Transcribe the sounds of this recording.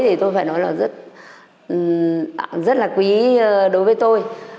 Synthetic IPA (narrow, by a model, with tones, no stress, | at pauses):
jt̪ʰi˨˩t̪o˧jfaː˧˩nɔ˨˦jlaː˨˩zə˦˥t̚ | zə˦˥t̚laː˨˩kwi˨˦ɗo˨˦jvəː˨˦jt̪o˧j